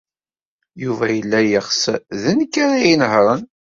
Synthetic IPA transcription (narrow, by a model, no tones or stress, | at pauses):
juvæjəlːæjəχsðənkːaɾajinɦɾˤən